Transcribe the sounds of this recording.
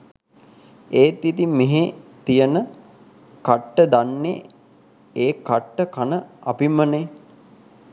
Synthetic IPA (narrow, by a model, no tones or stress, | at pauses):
eːt̪it̪imeɦet̪ijənə | kaʈːəd̪anːḛ | eːkaʈːəkanəa̰pimːəne